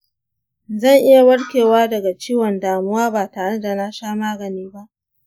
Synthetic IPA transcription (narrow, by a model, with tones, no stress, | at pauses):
zɐ˦˨ŋʔɪ˦ja˨wɐ˦ɽkʲeː˨waː˦dɐ˨ɡa˨t͡ʃiː˦wɔ˨ndaː˨mʊ˦waː˦baː˨taː˨ɽe˦da˨na˦ʃaː˦maː˦ɡɐ˨niː˦ba˦ʔ